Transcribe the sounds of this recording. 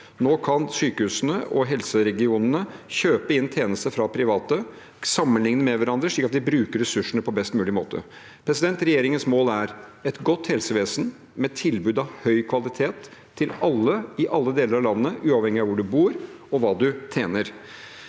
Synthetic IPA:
noːkʰɑnsyːkəhʉːsənəʔɔɦɛlsəɾɛɡɪuːnənəçøːpəɪnt̪ʰeːnəst̪əfɾɑpʰɾɪʋɑːt̪ə | sɑmːənlɪŋnəmɛʋæɾɑnd̪ɾəʂɭiːkɑt̪ʋɪbɾʉːkəɾɛsʉʂːəɳəpʰɔbɛst̪mʉːlɪmo̰ːt̪ʰə̰ | pʰɾɛsɪd̪ɛnt̪ɾɛjeːɾɪŋənsmoːlæɾɛt̪ɡɔt̪ːhɛlsəʋeːsən | mɛt̪ʰɪlbʉːd̪ɑʋhœʏkʰʋɑlɪt̪ʰeːt̪ʰː | ɪlɑlːəɪʔɑlːəd̪eːləɾɑʋlɑnːəːəʔʉːɑːʋhɛŋːɪɑʋʊɖʉbuːɾɔʋɑːd̪ʉt̪ʰeːnəɾ

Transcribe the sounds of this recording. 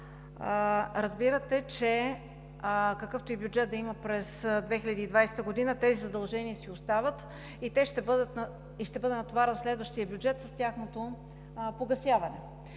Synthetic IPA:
ɾɐzbiɾət̪ɛt͡ʃɛ | kəkɤft̪oibjud͡ʒɛtd̪̚d̪ɐiməpɾɛsd̪vɛxilʲəd̪iːd̪vajsɛ̥t̪əɡod̪inət̪ɛzizɐd̪ɐlˠʒɛniəsiʊst̪avət̪ | it̪ɛʃt̪ɛbɤd̪ət̪n | iʃt̪ɛbɤd̪ɛnɐt̪ovaɾɛnslɛd̪vəʃt̪iəbʲjud͡ʒɛt̪səst̪ʲjaxnot̪o | poɡɐsjavɐnɛ

